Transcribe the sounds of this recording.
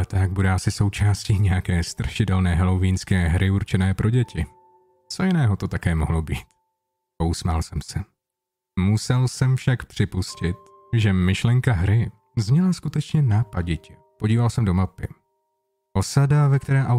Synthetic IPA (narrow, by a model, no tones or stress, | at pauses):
ɛt̪aɡ̚budɛʔasɪso̞wt͡ʃaːsciːɲɛjakɛːst̪ɾrʃɪtɛlnɛːɦɛloviːnskɛːɦɾʔɪuɾt͡ʃɛnɛːpɾʔo̞ɟɛcɪ | t͡so̞jɪnɛːɦo̞t̪o̞t̪akɛːmo̰ɦlobiːt̪ | kowsmalsɛmsɛ | musɛlsɛmfʃakpr̝̥ɪpuscɪt̪̚ | ʒɛmɪʃlɛŋkaɦɾɪ | zmɲɛlaskut̪ɛt͡ʃɲɛnaːpaɟɪcɪ | po̞ɟiːvalsɛmdo̞mapɪ | ʔo̞sadavɛkt̪ɛɾɛːʔa